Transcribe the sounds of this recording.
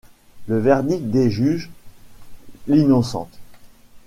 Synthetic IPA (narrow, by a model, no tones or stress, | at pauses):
ləvɛʁd̪ik̪̚d̪eʒyʒ | linɔsɑ̰̃t̪